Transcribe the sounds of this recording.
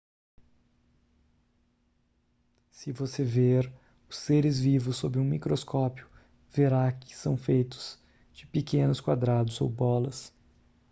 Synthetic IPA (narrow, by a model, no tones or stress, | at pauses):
sɪvoseveɾ | ʊsːeɾɪzvivʊsːobɾɪũmikɾoskɔpjʊ | veɾakɪ̥sɐ̃w̃fejt̪ʊ̥z̥ | d͡ʒɪpekẽnʊskwad̪ɾad̪ʊzo̰wbɔlɐs